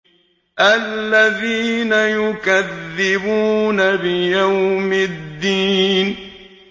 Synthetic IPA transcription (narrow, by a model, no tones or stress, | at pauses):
ʔalːaðiːnajʊkaðːɪbuːnabɪjawmɪd̪ːiːn